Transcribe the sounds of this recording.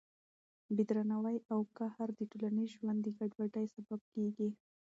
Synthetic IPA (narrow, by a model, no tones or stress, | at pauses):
bid̪ɾanawajawkahaɾd̪əʈolanizʒwand̪iɡaɖwaʈajsabab̚keɡi